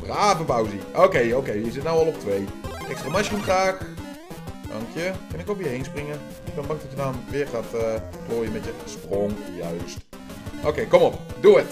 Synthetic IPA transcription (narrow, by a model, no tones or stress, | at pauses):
raːvəbawziʔoːkejoːkeːjəzɪtnawɔlˠop̚tʋejɛkstramaʃəntaːk | ɔ̰ŋkʰjəkɪnɪkofjəɦejnsprɪŋə | ɪkbənmak̚dɔtjədanʋɪxaːt | kloːjəmɛtjəsproŋjœɥst | ʔoːkejkomop̚duət